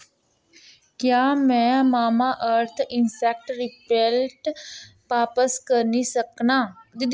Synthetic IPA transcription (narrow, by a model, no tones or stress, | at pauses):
kjaːmɛ̃ːmaːmaːʔəɾt̪ʰɪnsɛk̚ʈɾɪpɛlʈ | paːpəskəɾnisəknaːd̪ɪd̪